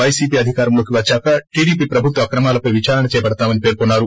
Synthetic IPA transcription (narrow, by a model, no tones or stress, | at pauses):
ɐjsiːpiːɐd̪ʱikaːɾɐmlo̞ːkiʋɐt͡ʃːaːkɐʈiːɽiːpiːpɾɐbʱut̪ʋɐkɾɐmaːlɐpɐjʋit͡ʃaːɾɐnɐt͡ʃɛːpɐɽɐt̪aːmɐnipeːɾkonːaːɾu